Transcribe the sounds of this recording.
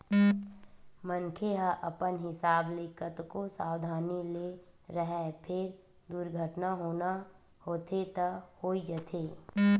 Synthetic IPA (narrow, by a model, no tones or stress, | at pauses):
mənkʰeɦaʔəpənɦɪsaːblɪkət̪kosaːwd̪ʱaːnile | ɾəɦɛpʰɪɾ | d̪uɾɡʱəʈnaɦoːna | hoːt̪ʰet̪əhoːid͡ʒət̪ʰeː